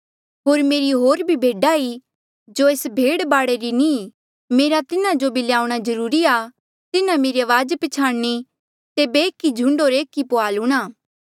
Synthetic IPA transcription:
ɦoːɾmeːɾiɦoːɾbʱibʱeːɖai | d͡ʒoeːsbʱeːɽbaːɽeɾinĩ | meːɾat̪ɪnãd͡ʒobɪljaːuɽ̃azɐɾuːɾiaː | t̪ɪnãmeːɾiɐʋaːd͡ʒpɪt͡ʃʰaːɽni | t̪eːbeːkːid͡ʒʱʊ̃ɳɖoːɾeːkːipʊaːluːɽ̃aː

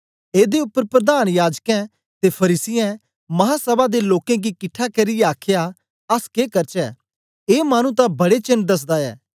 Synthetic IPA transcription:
eːd̪eʊpːəɾpɾəd̪aːnjaːd͡ʒkɛ̃ | t̪epʰɐɾiːsɪjɛ̃ | mɐɦaːsɐbad̪eloːkɛ̃ɡikɪʈʰːakɐɾijɛaːkʰja | ɐskeːkɐɾt͡ʃɛː | eːmaːñũt̪̬abɐɽet͡ʃɐnd̪ɐs̬d̪aɛ̰ː

